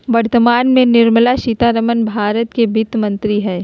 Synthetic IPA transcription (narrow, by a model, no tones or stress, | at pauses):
ʋɐɾt̪əmaːnmẽnɪɾməlaʃit̪aɾəmənbʱaːɾət̪kebʱɪt̪mɐ̃nt̪ɾiɦɛː